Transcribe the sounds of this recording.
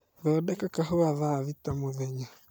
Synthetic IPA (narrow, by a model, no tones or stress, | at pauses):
ðɔːdɛkakaɦoaðaβitamoðɛɲa